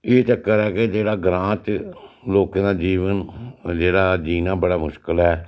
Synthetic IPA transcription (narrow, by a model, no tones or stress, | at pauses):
eːt͡ʃəkːəɾɛːked͡ʒeːɽaːɡɾãːt͡ʃloːkãːd̪aːd͡ʒiːʋənd͡ʒeːɽaːd͡ʒiːnãːbəɽaːmʊʃkəlɦɛː